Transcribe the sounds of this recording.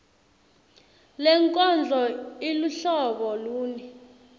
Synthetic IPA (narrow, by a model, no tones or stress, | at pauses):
lɛŋkʼɔnd͡ɮʱɔiluɬɔɓɔluːni